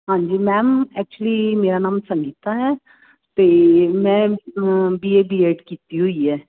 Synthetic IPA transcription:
ɦãːɲd͡ʒiːmɛ̃ːmɛːk̚t͡ʃuəliːmeːɾaːnãːmsəŋɡiːt̪aɦɛː | t̪eːmɛ̃ː | biːeːbiːeːɖkiːt̪iɦoiːɦɛː

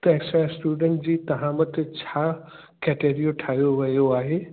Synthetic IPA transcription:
t̪ɐ̃ɦɪ̃sãsʈuːɖə̃ɳʈd͡ʑiːt̪ɐɦãːmət̪t͡ɕʰaː | kɛːʈeːɾijoʈʰaːɦjoʋɐjoaːɦeː

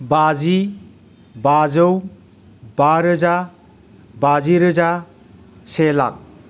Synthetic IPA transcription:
bad͡ʒi | bazəw | baɾɯza | baziɾɯd͡ʒa | sela̰k̚

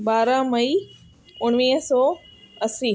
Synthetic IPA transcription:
ɓaːɾãmɐi | ʊɽ̃ʋiːɦsɔːɐsi

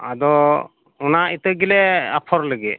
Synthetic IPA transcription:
ad̪ɔ | unait̪əɡilɛapʰɔɾləɡɛ

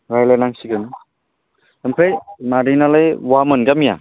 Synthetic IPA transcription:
ɾajlanaŋsiɡɯnɯ | əmpʰejmaɾinalajwamɯnɡamija̰

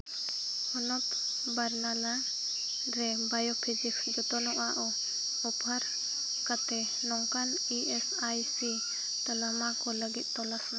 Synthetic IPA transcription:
hɔnɔp | baɾnala | ɾɛ | bajɔpʰid͡ʒiksd͡ʒɔt̪ɔnɔʔaʔɔ | ɔpaɾ | kat̪ɛ | nɔŋkan | iɛs | ajsi | t̪alamakɔləɡit̪̚ˀt̪ɔlasna

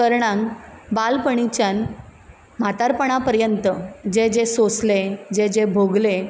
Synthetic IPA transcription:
əɾɳãŋkbalpəɳ̃it͡ɕjan | m̤at̪aɾpəɳ̃apəɾjənt̪əd͡ʑed͡ʑesosled͡ʑed͡ʑebʱoɡle

